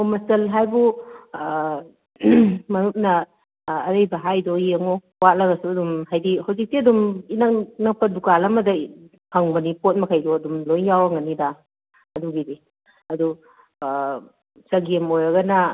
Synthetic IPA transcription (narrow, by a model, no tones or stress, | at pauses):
omɐstɐlɦajbu | mɐnup̚nɐː | ɾɐjbɐɦajdojeŋo | walɐɡɐsuɐdumhajdihawzik̚tiɐduminɐknɐk̚pɐdukalɐmɐdɐ | pʰaŋbɐnipot̚mɐkʰajdoɐdumlojjawɐŋɐnidaː | duɡidi | ɐdu | sɐɡemojɾɐɡɐnɐ